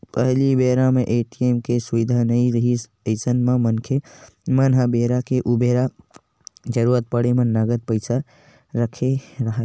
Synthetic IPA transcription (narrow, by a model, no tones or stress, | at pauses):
pəɦlibeɾameʔeʈiemkesuʋid̪ʱanəiɾəɦis | əɪsənmamənkʰe | mənɦabeɾakeʔubeɾa | d͡ʒəɾuɾət̪̚pəɽemenəɡət̪̚pəɪsʰa | ɾəkʰeɾəɦə